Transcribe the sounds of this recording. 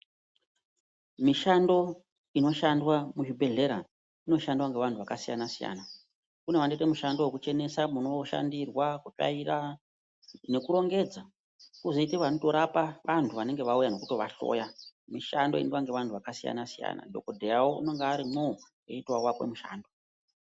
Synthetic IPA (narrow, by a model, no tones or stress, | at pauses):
miʃando̞ | ino̞ʃandwamuʒibʱe̞ɮe̞ɾa | ino̞ʃandwaŋɡe̞ʋantʰuʋakasijanasija̰na | kune̞ʋandetemuʃandowekut͡ʃe̞ne̞samuno̞ʃa̰ndirwakuta̰ira | ne̞kuɾo̞ŋɡe̞d͡za | kuzoiteʋanoto̞ɾapaʋantʰuʋane̞ŋɡe̞ʋaujano̞kuto̞ʋaɬo̞̰ːjamiʃando̞ḭnwaŋɡeʋantʰuʋakasija̰nasija̰na̰do̞̰kodʱejawoʔuno̞ŋɡeaɾimo | eitwawakwe̞̰muʃa̰ːndo